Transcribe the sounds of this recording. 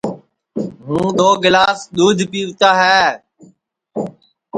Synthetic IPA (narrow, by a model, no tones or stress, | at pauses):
ɦũːɗ̪oːɡɪlaːsɗ̪uːd̪ʱpiːʋʊt͡ʃaːɦɛː